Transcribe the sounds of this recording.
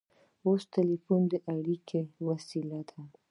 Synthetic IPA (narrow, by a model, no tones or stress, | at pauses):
ost̪ɪlifund̪əʔaɽikʰewasilad̪a